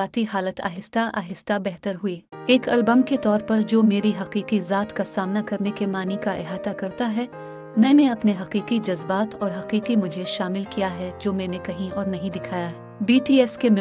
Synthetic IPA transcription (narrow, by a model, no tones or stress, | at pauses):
aːt̪iɦaːlət̪ʰa̰ːɦɪst̪aʔa̰ːɦɪst̪abɛɦt̪əɾɦʊiːeːkɐlbəmket̪ɔːɾpɐɾd͡ʒoːmeːɾiɦɐqiːqizaːt̪kasaːmnakɐɾnekemaːnikaʔɪ̰ɦaːt̪akɐɾt̪aɦɛ | mɛ̃ːnẽɐpneɦɐqiːqid͡ʒɐzbaːt̪ɔːɾɦɐqiːqimʊd͡ʒʱeʃaːmɪlkijaɦɛd͡ʒoːmɛ̃ːnekɐɦĩɔːɾnɐɦĩd̪ɪkʰaːjaɦɛ | biːʈiːɛskemɪ